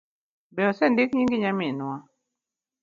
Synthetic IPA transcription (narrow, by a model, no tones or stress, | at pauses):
bɛɔsɛndɪkɲiŋɡiɲamɪnwa